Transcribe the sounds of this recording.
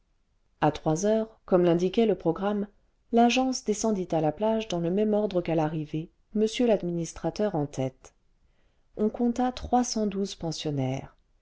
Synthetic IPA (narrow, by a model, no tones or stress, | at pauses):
at̪χwazœʁkɔmlɛ̃d̪ikʲɛləpχɔɡʁam | laʒɑ̃sd̪esɑ̃d̪it̪alaplaʒd̪ɑ̃ləmɛmɔʁd̪ʁəkalaʁive | məsjølad̪minist̪χat̪œʁɑ̃t̪ɛt̪ | ɔ̃kɔ̃t̪at̪χwasɑ̃d̪uzpɑ̃sjɔnɛːʁ